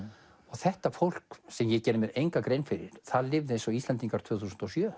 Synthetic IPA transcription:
ɔɣθɛht̪afowl̥ksɛmjɛcɛːnʏmɛðejŋkakɾejnfɪɾɪ̰ɾ̥θaðlɪvðɪensɔist̪ɛnt̪iŋkaɾ̥t̪ʰvʏːθusənt̪ɔsjœː

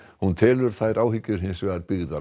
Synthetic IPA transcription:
hunt̪ʰɪːlʏɾ̥θajɾʔaːwhɪcːʏɾ̥ɦɪnsvɛːɣaɾpɪɣða

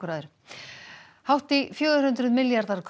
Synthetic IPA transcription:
ɾaːðʏɾ̥ | hawht̪ifjœːɣʏɾ̥ʏnt̪ɾʏðmɪljaɾðaɾ̥kʰ

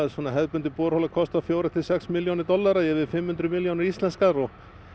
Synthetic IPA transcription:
ðsɔːnaɦɛðpʏnt̪ɪpoːɾhowlakʰɔst̪afjoːwɾɪt̪ʰɪlsɛksmiljownɪɾt̪ɔlːaɾajɛvɪðfɪmhʏnt̪ɾʏmiljownɪɾist̪lɛnskaɾɔɣ

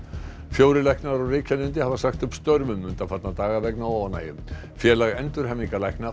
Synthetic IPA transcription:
fjoːwɾɪlajhknaɾɔwrɪːcʰanʏnt̪ɪhavasaxt̪ʏpst̪œɾvʏmːʏnt̪afat̪nat̪aːɣavɛknaana̰ːjɪm | fjɛːlaɣɛnt̪ʏɾ̥ɦɛmːiŋkalajkna

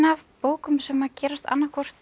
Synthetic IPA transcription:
avpoːwkʏmsɛmacɛːɾast̪a̰nːakʰɔr̥t̪

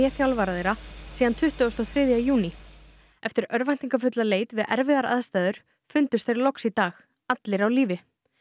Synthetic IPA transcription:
ɛθjawlvaːɾaðejɾasiːðant̪ʰʏht̪ʏɔst̪ɔθɾɪːðjaðjuːni | ɛft̪ɪɾœɾvajn̥t̪iŋkafʏt̪laleːjt̪vɪðʔɛ̰ɾvɪðaɾa̰ðst̪aːðʏɾ̥ | fʏnt̪ʏst̪θejɾlɔksit̪aːx | at̪lɪɾawliːvɪ

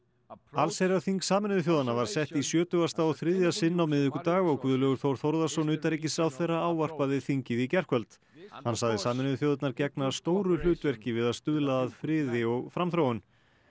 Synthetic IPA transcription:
alsejɾaθiŋksaːmɪnʏðʏθ̬jowðanavaɾ̥sɛht̪isjœːt̪ʏast̪aɔθɾɪðjasɪnːawmɪðɪhkʏt̪aːɣɔɣkʰvʏðʏlœːɣʏɾ̥θowɾ̥θɔwɾðasɔnʏːt̪aɾic̬ɪsawθɛrːaaːwvar̥paðɪθiɲcɪðicɛr̥kʰvœlt̪ | hansaɣðɪsaːmɪnɪðʏθjowðat̪naɾcɛknast̪oːwɾʏlʏːt̪vɛr̥cɪvɪðaðst̪ʏðlaðaðfɾɪːðɪɔɣfɾamθɾowʏn

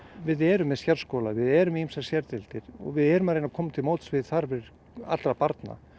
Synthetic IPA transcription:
vɪðɛːɾʏmːɛðsçaɾ̥skɔːlavɪðɛɾʏmimsasjɛɾt̪ɛlt̪ɪɾ̥ɔ̰ɣvɪðɛɾʏmaɾejnakʰɔːmːat̪ʰɪlmoːwt̪svɪðθaɾvɛ | a̰t̪ɾapaɾt̪na̰

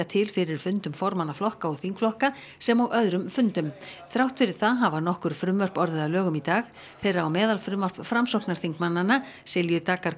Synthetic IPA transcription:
at̪ʰɪlfɪɾɪɾ̥fʏnt̪ʏmfɔɾmanːaflɔhkaɔɣθiŋkflɔhka | sɛmaɣʔœðɾʏmfʏnt̪ʏmθɾawht̪fɪɾɪɾ̥θaɦavanɔhkʏɾ̥fɾʏmvœr̥pɔɾðɪðalœːɣʏmit̪aːɣ | θɛjrːaːwmɛːðalfɾʏmvœr̥pfɾamsɔwt̪naɾ̥θiŋkmanːanːa | sɪljʏt̪aːkaɾ

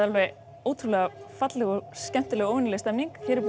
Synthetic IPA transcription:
alvɛ | oːwt̪ʰɾulɛɣafat̪lɛɣɔscɛm̥t̪ɪlɛːɣoːwvɪnɪlɛst̪ɛmniŋkçɛːɾɪp

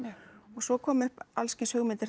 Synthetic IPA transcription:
ɔɣsɔkʰɔːmʏhpalscɪnsœːɣmɪnt̪ɪɾ̥

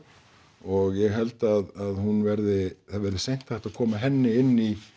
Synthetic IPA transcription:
ɔɣjɛɣɦɛlt̪aðaðhunvɛɾðɪθavɛɾðɪsejn̥t̪ʰːaht̪aðkʰɔːmaɦɛnːɪɪnːi

